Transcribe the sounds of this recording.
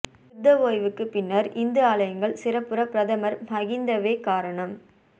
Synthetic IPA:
ʊd̪ːɐʋoːjʋɯkːɯpɪnːɐɾʔɪnd̪ɯaːlɐjɐŋɡɐɭsɪrɐpːɯɾɐpːɾɐðɐmɐɾmɐɣɪnd̪ɐʋeːkaːɾɐɳɐm

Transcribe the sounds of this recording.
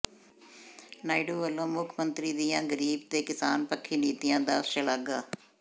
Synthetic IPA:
naːɪɖuːʋəlːõːmʊkʰmənt̪ɾiːd̪ijãːɡəɾiːb̚t̪eːkɪsaːnpəkʰːiːniːt̪ijãːd̪aːʃəlaɡaː

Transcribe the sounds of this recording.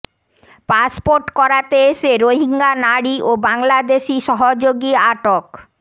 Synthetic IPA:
paspoɾʈkɔɾat̪eeʃeɾoɦiŋɡanaɽiʔobaŋlad̪eʃiʃɔɦod͡ʑoɡiaʈok

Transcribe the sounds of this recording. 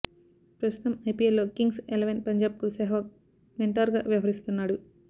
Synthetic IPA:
pɾɐst̪ut̪ɐmɐjpiːelːo̞ːkiŋɡselɐʋenpɐɲd͡ʒaːb̚kusɛːɦʋɐ | meɳʈaːɾɡa̰ːʋjɐʋɐɦɐɾist̪unːaːɽu

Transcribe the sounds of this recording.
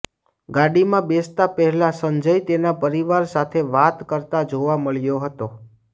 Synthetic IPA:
ɡaɽimãbest̪apəɦɛlasəɲd͡ʒəjt̪enapəɾiʋaɾsat̪ʰeʋat̪kəɾt̪ad͡ʒoʋaməɭjoɦət̪o

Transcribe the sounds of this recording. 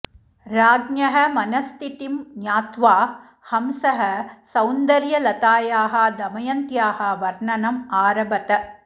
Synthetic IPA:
ɾaːɡnjɐɦɐ̆mɐnɐst̪ʰit̪imnjaːt̪ʋaː | hɐmsɐɦɐ̆sɐwnd̪ɐɾjɐlɐt̪aːjaːɦɐ̆d̪ɐmɐjɐnt̪jaːɦɐ̆ʋɐɾnɐnɐmaːɾɐbɐt̪ɐ

